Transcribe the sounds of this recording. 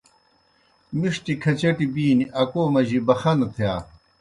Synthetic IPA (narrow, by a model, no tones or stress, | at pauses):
miʂʈikʰɐt͡ɕɐʈibiːniʔɐkoːmɐʑibɐxɐnt̪ʰjaː